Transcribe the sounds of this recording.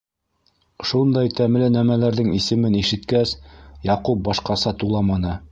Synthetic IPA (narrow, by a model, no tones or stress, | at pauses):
ʃund̪ɑjt̪æmlɘnæmælæɾðɘŋisɘ̆mɘniʃɘ̆t̪kæsjɑqup̚bɑʃqɑsɑt̪ulˠɑmɑnɤ